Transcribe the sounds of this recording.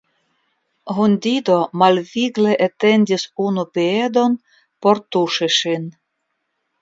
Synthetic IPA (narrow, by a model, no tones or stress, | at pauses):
ɦunʲd̪ʲid̪omalviɡleʔet̪e̞ndʲisunupied̪o̞n | po̞ɾt̪uʃiʃin